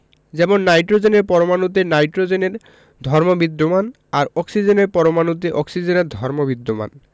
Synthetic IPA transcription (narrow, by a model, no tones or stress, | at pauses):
d͡ʑɛmonːajʈɾod͡ʑeneɾpɔɾomanut̪̬enajʈɾod͡ʑeneɾ | d̪ʱɔɾmobid̪ːoman | aɾɔksid͡ʑeneɾpɔɾomanut̪̬eʔɔksid͡ʑeneɾd̪ʱɔɾmobid̪ːoma̰n